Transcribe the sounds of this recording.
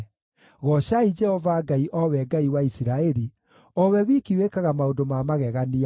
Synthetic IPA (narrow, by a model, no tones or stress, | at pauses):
ɣɔɕaid͡ʒɛhɔvaɡaiʔɔwɛɡaiwaisiɾaɛɾi | ɔwɛwikiwekaɣamaodomamaɣɛɣania